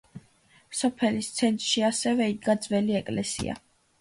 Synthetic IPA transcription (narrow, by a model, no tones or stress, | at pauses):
sɔpʰɛlist̪sʰɛnt̪ʼɾʃiasɛvɛiɡad̪zvɛliɛkʼlɛsḭa̰